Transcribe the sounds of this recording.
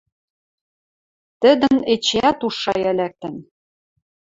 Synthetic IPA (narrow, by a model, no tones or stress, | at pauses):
t̪ɘ̆d̪ɘ̆net͡ɕeæt̪uʃːɑjælæk̚t̪ɘ̆n